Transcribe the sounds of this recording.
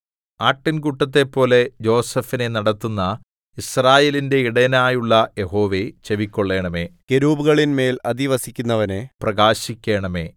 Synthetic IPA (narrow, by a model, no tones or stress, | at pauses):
aːʈːinkuʈːɐt̪̬ːe̞pːo̞ːle̞d͡ʑo̞ːsɐfine̞nɐɽɐt̪ːunːɐ | israːjeːlinde̞iɽɐnaːjuɭːɐje̞ɦo̞ːʋe̞t͡ɕe̞ʋikʲːoɭːe̞ːɳɐme̞ːkeɾuːbuɣɐɭinme̞ːlɐd̪iʋɐsikʲːunːɐʋɐneprɐɡaːɕikʲːe̞ːɳɐme̞ː